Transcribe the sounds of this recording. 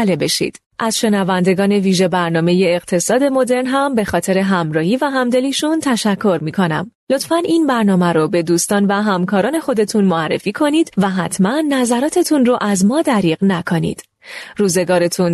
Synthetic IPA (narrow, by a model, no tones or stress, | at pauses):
lebe̞ʃḭd̪̥ | ʔæz̥ʃe̞nævænd̪e̞ɡɒːne̞viːʒe̞bæɾnɒːme̞jeːɣt̪ʰe̞sɒːd̪e̞mo̞d̪e̞ɾnɦæmbe̞xɒːt̪ʰe̞ɾe̞ɦæmɾɒːhiːvæɦæmd̪e̞liːʃunt̪ʰæʃækʰːo̞ɾmiːkʰo̞næ̰m | lo̞t̪fænʔinbæɾnɒːmæɾobe̞d̪uːst̪ɒːnvæɦæmkʰɒːɾɒːne̞xo̞d̪e̞t̪ʰunmoærːe̞̰fiːkʰo̞niːd̪̥væɦæt̪ʰmænːæzæɾɒːt̪ʰe̞t̪ʰunroʔæzmɒːd̪æɾiːɣnækʰo̞nḭːd̪̥ | ruːze̞ɡɒːɾe̞t̪ʰun